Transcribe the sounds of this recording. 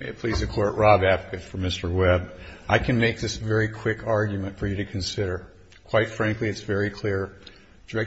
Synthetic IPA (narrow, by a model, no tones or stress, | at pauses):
ɪɨt̚pʰl̥izɨkʰɔɹʔɹɑbædvɨkɨtfə̃˞mɪstə˞wɛbʔaɪkʰɨ̃nmeɪk̚ðɪsvɛɹikʰw̥ɪkʰɑɹɡjɨmɨ̃ntfə˞jɨɾɨkʰɨ̃nsɪɾə˞ | kʰw̥aɪtfɹæ̃ŋkliɨtsvɛɹikʰl̥ɪɹ | d̥ɛ